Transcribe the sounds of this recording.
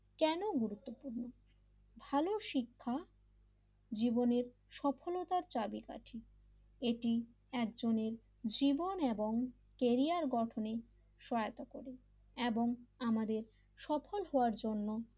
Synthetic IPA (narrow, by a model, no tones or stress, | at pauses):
kɛnoɡuɾut̪ːopuɾno | bʱaloʃikʰːa | d͡ʑiboneɾ | ʃɔpʰolot̪aɾt͡ɕabika̰ʈʰi | eʈi | ɛk̚d͡ʑoneɾ | d͡ʑiboneboŋ | keɾiaɾɡɔʈʰone | ʃɔeat̪okoɾe | eboŋamad̪eɾ | ʃɔfʰolɦɔoaɾd͡ʑonːo